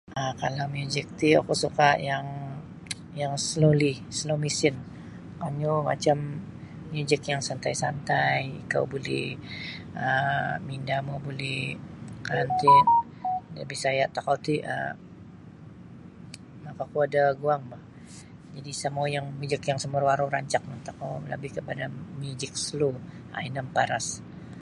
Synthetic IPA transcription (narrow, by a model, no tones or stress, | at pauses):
akalawmjud͡ʒɛk̚t̪ia̰kusukaʔjaŋ | jaŋslolisəlomisɪn | kaɲuma̰t͡ʃamː | iud͡ʒəkjaŋsant̪ajsant̪ajḭka̰wbolɛ̰h | əmindamubolɛhkant̪ɪn | də̰bisajaʔt̪akawt̪iə̰ | makakuadaɡuaŋbah | d͡ʒadisəmuajaŋmid͡ʒəkjaŋsəmərwaɾoɾaɲt͡ʃak̚mant̪akawla̰bɪhkəpadamid͡ʒək̚sluʔa̰inəmpaɾas